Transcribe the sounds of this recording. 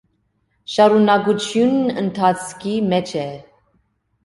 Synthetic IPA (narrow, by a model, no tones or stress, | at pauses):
ʃɑɾunɑɡut͡ʃʰjunənt̪ʰɑt͡sʰkʰimɛt͡ʃʰɛ